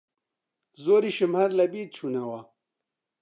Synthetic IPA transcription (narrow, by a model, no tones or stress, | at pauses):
zoːɾiʃɨmhɐɾlɐbiːt̪̚t͡ʃʰunɐwɐ